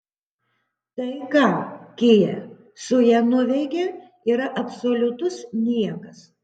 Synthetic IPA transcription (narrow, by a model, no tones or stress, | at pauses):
t̪ɐɪkɑːkʲɪːjɛ̰ | sʊjɛnʊʋʲɛɪkʲe | iːɾɐʔɐpsoːlʲʊt̪ʊsnʲiɛkɐs